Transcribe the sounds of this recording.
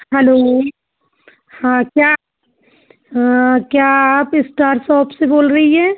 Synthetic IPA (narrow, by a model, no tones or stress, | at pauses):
ɦɛloː | hãkjaː | kjaːaːpɪsʈaːɾsɔːpseboːlɾɐɦiɦɛː